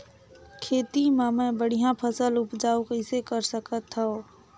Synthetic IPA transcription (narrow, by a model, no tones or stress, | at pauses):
kʰeːt̪imẽmẽbəɽ̤ijãpʰəsəlʊpd͡ʒaːukəɪsekəɾsəkət̪ɦɛo